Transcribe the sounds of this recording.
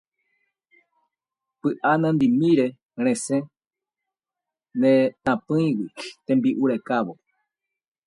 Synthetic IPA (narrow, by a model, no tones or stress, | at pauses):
pɨʔanãnd̪imĩɾe | ɾ̃ẽsẽ | nẽt̪ãpɨ̃jwit̪ẽmbiʔuɾekaβo